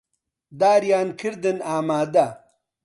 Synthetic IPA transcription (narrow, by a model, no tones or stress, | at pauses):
d̪aːɾjaːnkʰiɾd̪enaːmaːd̪a